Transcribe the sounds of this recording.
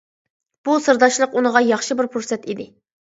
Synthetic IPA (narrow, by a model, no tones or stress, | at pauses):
b̥usɨɾd̪ɑʃlˠəqunəʁɑjɑχʃɨbɪɾpʰuɾsɛt̪id̪ɪ